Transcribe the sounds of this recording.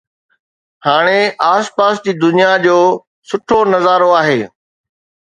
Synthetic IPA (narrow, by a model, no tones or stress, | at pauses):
haːɽ̃eʔaːspaːsd͡ʑiːd̪ʊnijad͡ʑoː | sʊʈʰonɐzaːɾoaːɦeː